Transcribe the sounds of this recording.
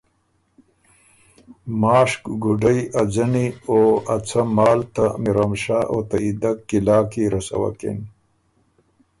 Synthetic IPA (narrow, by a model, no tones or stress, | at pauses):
maːʂkɡuɖɐjad͡zɐnioat͡sʰamaːlt̪amiɾamʂaʔot̪aid̪akːilaːkiɾɐsa̰wa̰kḛn